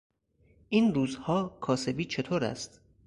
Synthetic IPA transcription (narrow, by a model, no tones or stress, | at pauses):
ʔiːnruːzhɒːkʰɒːse̞biːt͡ʃʰe̞t̪ʰoːɾæ̰st̪